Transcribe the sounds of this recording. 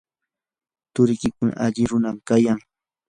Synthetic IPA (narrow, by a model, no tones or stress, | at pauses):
t̪ʊɾɪkɪkʊna̰ʔaʎɪɾʊnamkajaŋ